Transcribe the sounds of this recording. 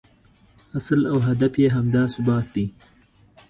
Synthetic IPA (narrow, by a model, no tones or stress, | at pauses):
aslawɦad̪afjeɦamd̪ɑːsʊbɑːt̪̚d̪i